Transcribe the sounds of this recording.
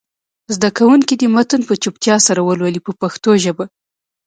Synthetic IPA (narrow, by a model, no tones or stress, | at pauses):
zd̪akawuŋkid̪əmat̪ənpət͡ʃupt̪jɑsaɾawəlwalipəpaxt̪oʒəba